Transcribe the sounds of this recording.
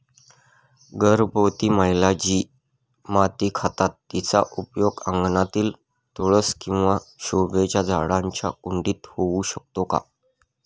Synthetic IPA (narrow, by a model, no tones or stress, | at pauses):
ɡəɾbəwt̪iːməjlad͡ʑiː | mat̪iːkʰat̪at̪ːit͡sa̰ʔupjoɡə̰̃ŋɡnat̪iːl | t̪oɭəskĩw̃ʋaɕoʋet͡ɕad͡zʱa̰ɽaɲt͡ɕa̰kuɳɖiːt̪houɕək̚t̪oka̰